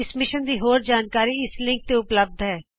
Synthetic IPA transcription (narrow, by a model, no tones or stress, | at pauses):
ɪsmɪʃənd̪iːɦoːɾd͡ʒaːnkaːɾiɪslɪ̃ŋk̚t̪eʊpləb̚d̪ɦɛː